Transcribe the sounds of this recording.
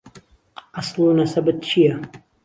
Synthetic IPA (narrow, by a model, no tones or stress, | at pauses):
ʔɑsˤlˠuːnɐsɐbɨt̪̚t͡ʃʰijɐ